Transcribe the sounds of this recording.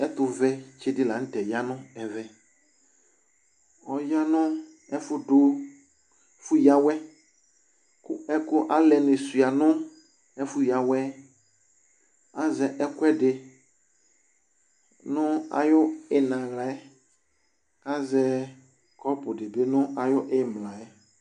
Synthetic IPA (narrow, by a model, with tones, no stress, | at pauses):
ɛ˦t̪ʊ˨vɛ˦t͡ʃe˦dɪ˦la˨˦n̩˦tɛ˨ja˦nʊ̃˦ɛ˨vɛ˦ | ɔ˨ja˦nʊ̃˦ | ɛ˦fʊ˦dʊ˦ | fʊ˦ja˦wɛ˦ | kʊ˦ɛ˦kʊ˦ʔa˦lɛ˨nɪ˨su˨a˨nʊ̃˦ | ɛ˦fʊ˦ja˨wɛ˦ | a˦zɛ˨ʔɛ˦kʊ˦ɛ˦dɪ˨ | nʊ˦a̰˨jʊ˦ɪ˨nã˨ɣla˨ɛ˦ | a˦zɛ˨ | kɔ˦pʊ˨dɪ˨be˦nʊ̃˦a˨jʊ˦ʔɪ˦m˨la˨jɛ˦